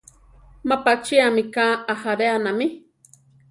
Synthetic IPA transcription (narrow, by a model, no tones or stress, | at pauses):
mapat͡ʃiamɪkaːahaɾeanamɪ